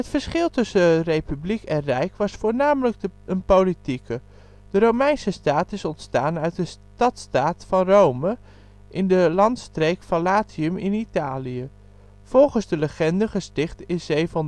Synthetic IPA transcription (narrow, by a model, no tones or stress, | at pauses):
ɦətfəɹsχɪlˠtɵsərejpyblikɛ̃nrɛjkʋɑsfʊːɹnaːmələk̚ənpowlitikə | d̥əɾowmɛjnsəstaːtɪsɔntstaːnœɥt̚də | tɑtstaːtfɑnrowmə | ʔɪndəlɑntstrejkfɑnlaːtiəmɪnitaːliə | v̥ɔlˠχənzdələχɛndəχəstɪχtɪnzejvn